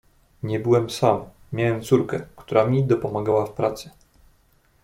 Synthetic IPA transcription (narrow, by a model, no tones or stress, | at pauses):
ɲɛbɘwɛmsamːʲ | jawɛmt̪suɾkɛkt̪uɾamʲid̪ɔpɔmaɡawafpɾat̪sɛ